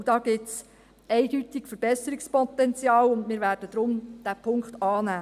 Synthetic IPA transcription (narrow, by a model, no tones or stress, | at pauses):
d̥ɑːɡ̥ɪts | ɛɪd̥yt̪ikfəɾb̥ɛsəɾikspɔt̪ɛnt͡sjɑːlʊndmɪːɾʋæːrd̥əd̥̪ɾʊmd̪̥æːpʰʊŋkt̪ɑːnæː